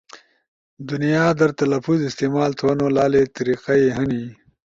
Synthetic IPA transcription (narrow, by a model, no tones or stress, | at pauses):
d̪unijaːd̪ɐɾt̪ɐlɐfuzɪst̪eːmaːlt̪ʰwɐnoːlaːlet̪ɐɾiːqɐeɦɐni